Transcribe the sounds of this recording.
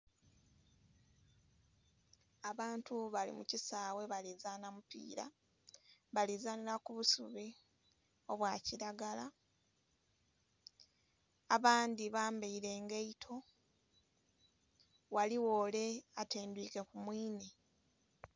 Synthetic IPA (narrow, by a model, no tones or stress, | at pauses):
aβaːntuβalḭmṵcisaːwe̞βalizaːnamupḭːɾa̰ | βalizaːnilakuβusuβi | o̞βwaːciɾaɡala | βaːndiβaːmbeiɾe̞ːŋɡeitʰo̞ | waliwo̞ːle̞ate̞ːndwiːke̞kumwiːne